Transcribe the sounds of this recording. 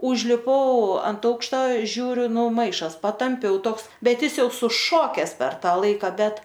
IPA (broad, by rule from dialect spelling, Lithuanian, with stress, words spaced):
ʊʒʲlʲɪˈpɐʊ ɐnt ˈɐʊkʃtɐ ˈʒʲuːrʲʊ ˈnʊ ˈmɐɪʃɐs pɐtɐmʲˈpʲɛʊ ˈtoːks ˈbʲɛt ˈjɪs ˈjɛʊ sʊˈʃoːkʲɛs pʲɛr ˈtɑː ˈlˠɐɪkɐ ˈbʲɛt